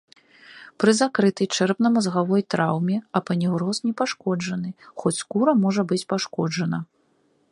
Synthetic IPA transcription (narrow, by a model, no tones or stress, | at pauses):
pɾɨzakɾɨt̪ɐjt͡ʂɛrpn̪ɐmɐzɣavɔjt̪ɾawmʲɛɐpɐnʲiɣɾɔsnʲɛpaʂkɔd͡ʐɐnɨxɔt͡sʲskuɾɐmɔʐɐbɨt͡sʲpaʂkɔd͡ʐɐnɐ